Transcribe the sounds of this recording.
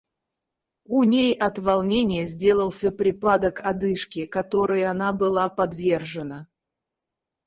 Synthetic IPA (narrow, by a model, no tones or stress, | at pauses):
unʲejɐt̪vɐlˠnʲenʲɪjəzʲdʲe̞lˠəlˠsʲəpɾʲɪpad̪əkʰɐd̪ɨʂkʲɪkɐt̪o̞ɾɨjəɐnabɨlˠapɐd̪vʲe̞rʐɨnə